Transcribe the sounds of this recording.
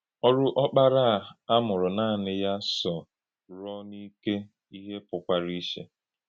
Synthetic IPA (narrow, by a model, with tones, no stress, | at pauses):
ɔ˦ɾʊ˦ʔɔ˦k͡pa˦ɾa˦˨a˦mʊ˨ɾɔ˨naː˦˨nɪ˦ja˦sɔ˨ | ɾɔ˦ni˦ke˦ | i˦ɦe˦pʊ˨kʷa˦ɾi˦ʃe˦